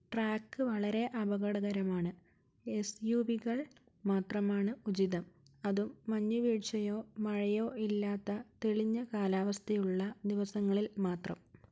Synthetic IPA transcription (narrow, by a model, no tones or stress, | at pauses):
ʈraːkːɨʋɐɭɐɾe̞ʔɐbɐɣɐɽɐɣɐɾɐmaːɳɨ | esjuʋiɣɐɭ | maːt̪rɐmaːɳɨud͡ʑiðɐm | ɐðumːɐɲːuʋiːɻt͡ɕɐjo̞ːmɐɻɐjo̞ːʔilːaːt̪ːɐt̪eɭiɲːɐkaːlaːʋɐst̪ʰɐjuɭːɐd̪iʋɐsɐŋːɐɭilmaːt̪rɐ̰m